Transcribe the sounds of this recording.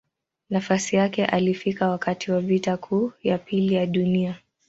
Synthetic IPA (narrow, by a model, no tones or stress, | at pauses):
nafasijakɛʔalifikawakatʰiwavitakʰuːjapilijaɗunia